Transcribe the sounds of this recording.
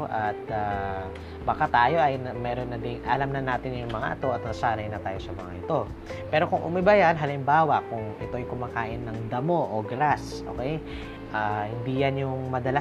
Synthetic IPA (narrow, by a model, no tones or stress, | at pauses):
ʔɐt̪̚a | bɐkat̪aːjo̞ʔɐjnɐmɛːɾonːɐd̪ɪŋɐlɐmnɐnaːt̪ɪnjʊŋmɐŋa̰ʔɐ̰t̪o̞ʔɐt̪̚nɐsaːɾɐjnɐt̪aːjo̞sɐmɐŋa̰ʔɪt̪o̞ | pɛːɾo̞kʊŋʔʊ̰mɪbɐjɐnɦɐlɪmbaːwɐʔkʊŋʔɪt̪o̞ɐjkʊmaːkaːʔɪnːɐŋd̪ɐmo̞ʔoɡɾasʔo̰kɛj | ʔaːhɪnd̪iːjɐnjʊŋmɐd̪ɐla